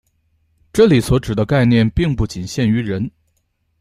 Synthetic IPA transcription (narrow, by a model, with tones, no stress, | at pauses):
ʈ͡ʂɤ˥˩li˨˩swɔ˧˥ʈ͡ʂɻ̩˨˩d̪ə˦ka˥˧ɪnjɛ˥˧npi˥˧ŋpu˥˩t͡ɕi˨˩nɕjɛ˥˩ny˧˥ɻə˧˥n